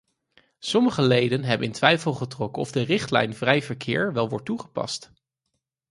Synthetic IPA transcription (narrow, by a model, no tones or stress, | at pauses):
sɔməχəlejdənɦɛbənɪntʋɛjfəlˠχətrɔkənɔ̰vdərɪχtlɛ̰jnvrɛjvəɹkʰɪːɹʋɛlˠʋɔɹt̚ːuχə̥pɑ̰st